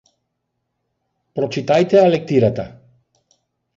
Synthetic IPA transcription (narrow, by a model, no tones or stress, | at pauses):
pɾot͡ʃit̪ajt̪ealek̚t̪iɾat̪a